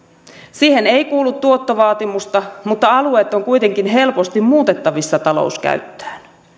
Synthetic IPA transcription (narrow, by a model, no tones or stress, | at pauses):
siːhe̞ne̞jkuːlːut̪ːuot̪ːɑʋɑːt̪imust̪ɑmut̪ːɑɑlueːt̪ːˑo̞ŋkujt̪e̞ŋkinɦe̞lpo̞st̪immuːt̪e̞t̪ːɑʋisːɑt̪ɑlo̞̰uskæ̰ɥt̪ːæ̥ːn